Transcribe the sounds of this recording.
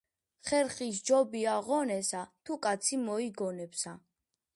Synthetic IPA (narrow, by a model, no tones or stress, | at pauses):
χɛɾχis̬d͡ʒɔbiaʁɔnɛsat̪ʰukʼat̪sʰimɔiɡɔnɛpsa